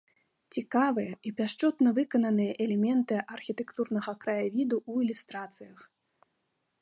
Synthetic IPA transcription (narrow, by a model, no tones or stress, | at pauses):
t͡sʲikavɨjɐipʲaʂt͡ʂɔt̪nɐvɨkɐnɐnɨjɐʔɛlʲɛmʲɛnt̪ɨʔɐrxʲit̪ɛkt̪urnɐɣɐkɾɐjavʲid̪uuilʲust̪ɾat̪sɨjɐx